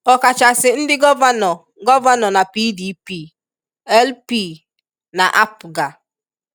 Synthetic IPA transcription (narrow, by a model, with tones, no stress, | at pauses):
ɔ˨ka˨t͡ʃa˨sɪ˨n̩˦dɪ˦ɡɔ˦va˦nɔ˨ | ɡɔ˦va˦nɔ˨na˨pi˦di˦pi˦˨ | ɛ˦lpi˦˨ | na˨ʔa˦pɡa˨